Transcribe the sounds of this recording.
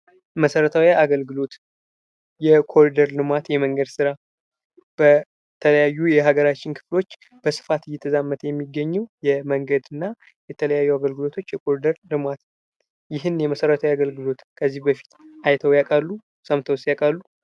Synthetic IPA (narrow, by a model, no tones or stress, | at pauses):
məsəɾət̪ʰawiaɡəlɡɨlo̞t̪ | jɛkʰo̞ɾid̪əɾlɨmat̪jɛməŋɡəd̪sɨɾa | b̥ə | t̪ʰələjajːujɛɦaɡəɾat͡ʃːɪnkʰɨ̥flot͡ʃː | b̥əsɨ̥fat̪jɛt̪ʰːəzamːət̪ʰjɛmːiɡːəɲːɛwjɛməŋɡəd̪ɨnːa | jɛt̪ʰələjajːuaɡəlɡɨlo̞t̪ʰo̞t͡ʃːjɛkʰo̞ɾid̪əɾlɨmat̪ | jɪɦɨnjɛməsəɾət̪ʰawiaɡəlɡɨlo̞t̪kʰəzːibəfi̥t̪ajt̪ʰəwjakʼalːu | səmt̪ʰəwst̪jakʼalːu